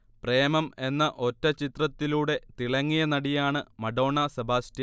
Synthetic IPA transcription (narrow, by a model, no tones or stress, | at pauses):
preːmɐme̞nːɐʔo̞tːɐt͡ɕit̪rɐt̪ːiluːɽe̞t̪iɭɐŋːijɐnɐɽijaːɳɨmɐɖo̞ːɳɐsɐbʱaːstjɐ